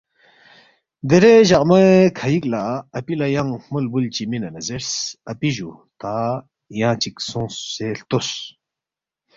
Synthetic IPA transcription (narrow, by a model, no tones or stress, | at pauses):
d̪eɾeʑaʔʼmɐkʰajik̚ʼlaɐpilajaŋmulbult͡ɕiminɐnɐzeɾsɐpiʑu | t̪a | jãt͡ɕik̚sõːseɬt̪os